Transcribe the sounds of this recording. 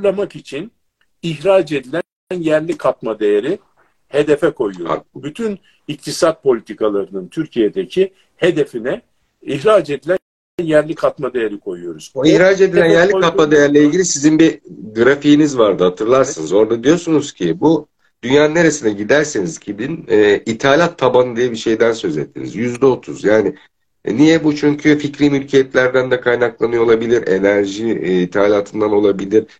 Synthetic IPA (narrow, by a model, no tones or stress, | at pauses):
lˠamakit͡ʃʰin | içɾaːd͡ʒe̞d̪ilʲæn | njæɾlʲikʰat̪̚mad̪ejeɾi | he̞d̪efɛkʰo̞jujo̰byt̪ʰyn | ik̚t̪ʰisat̪̚pʰo̞lʲit̪ʰikʰalˠaɾɯnɯnt̪ʰyɾcʰijed̪ecʰi | he̞d̪efinɛ | içɾaːd͡ʒe̞d̪ilʲæn | njæɾlʲikʰat̪mad̪e̞jeɾikʰo̞jujo̞ɾuz̥ihɾad͡ʒe̞d̪ilʲænjæɾlʲikat̪mad̪ejæɾlʲɛilʲɟilʲisizinbiɡɯɾafijːnizvaɾd̪ɯhat̪ʰɯɾlˠaɾsɯnɯzo̞ɾd̪ad̪ijo̞sunuz̥cʰibu | d̪̥ynjaːnɯne̞ɾesinɛɟid̪æɾseniz̥cʰib̪inɛːit̪ʰalʲat̪ʰːabanɯd̪ijɛbiʃe̞jd̪ænsø̞zet̪ʰːḭnḭzjyzd̪ɛot̪ʰṵzjaːnɪ | nijɛbut͡ʃʰyɲcʰyficɾimylʲcʰejɛt̪lʲæɾd̪ænd̪ɛkʰajnaklˠanɯjolˠabilʲiɾe̞̰næɾʒiːt̪ʰaːlʲaːt̪ʰɯnd̪ano̞lˠabilʲiɾ̥